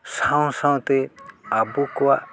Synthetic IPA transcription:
sãw̃sãw̃t̪ɛabukɔwaʔ

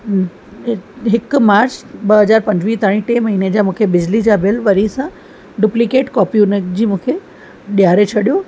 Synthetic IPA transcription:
ɦɪkmaːɾt͡ɕɓɐɦɐzaːɾpɐ̃ɲd͡ʑʋiːt̪əɽ̃iʈẽːmɐɦined͡ʑaːmũːkʰebɪd͡ʑlid͡ʑaːbɪlʋɐɾisã | ɖuplikeːʈkɔːpiʊnəd͡ʑiːmũːkʰe | ɗijaːɾet͡ɕʰɐɗijoː

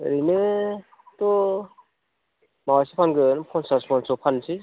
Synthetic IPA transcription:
ɾine | t̪ɔ | mawasipʰanɡɯnkʰɔnsaspʰɔnsɔpʰansi

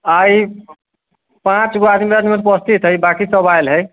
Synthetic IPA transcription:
aj | pãt͡ʃɡoad̪mibad̪mimət̪pəst̪it̪ɦəjbakisəbʱajlɦəj

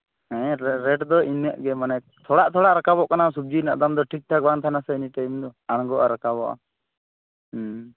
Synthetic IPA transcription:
ɛ̃ɾɾɛɖd̪ɔʔinəʔɡɛmanɛ | t̪ʰɔɽaʔt̪ʰɔɽaʔɾakabɔʔkanas̬ub̚d͡ʒina̰ʔd̪amd̪ɔʈʰik̚t̪ʰak̚bant̪ʰanasɛiniʈajmd̪ɔaɽɡɔʔaɾakabɔ̰ʔa̰

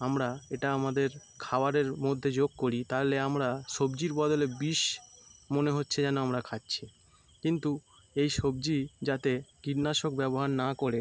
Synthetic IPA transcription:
amɾaeʈaamad̪eɾkʰabaɾeɾmod̪ʱːed͡ʑoɡ̚koɾit̪aɦeleamɾaʃobd͡ʑiɾbɔd̪olebiʃmoneɦotːɕʰed͡ʑɛnoamɾakʰatːɕʰi | kint̪u | ejʃobd͡ʑid͡ʑat̪ekiɾnaʃokbɛboɦaɾnakoɾe

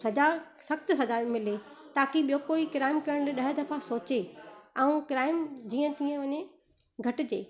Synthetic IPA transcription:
sɐd͡ʑasɐxt̪sɐd͡ʑamɪle | t̪aːkiɓijokoːikɾaːɪmkiəɽ̃laɗɐɦəd̪ɐfasoːt͡ɕeɛ̃ũkɾaːɪmd͡ʑiːə̃t̪iːə̃ʋɐɲe | ɡʱɐʈɪd͡ʑeː

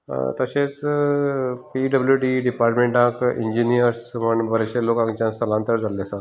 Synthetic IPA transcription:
t̪əɕet͡s | piɖəbljuɖiɖipaɾʈmẽɳʈãkḭɲd͡ʑinijəɾsməɳbəɾɕelokãŋt͡ɕãst̪əlãnt̪əɾd͡zalːesat̪

